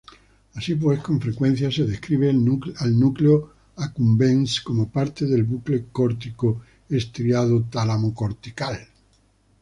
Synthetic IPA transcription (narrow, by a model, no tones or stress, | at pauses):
asip̬weskoɱfɾekwen̟θjaseðehkɾiβ̞eualnukleo | akumbẽnskomopaɾt̪eðelβuklekoɾt̪iko | est̪ɾiað̞ot̪alamokoɾt̪ikal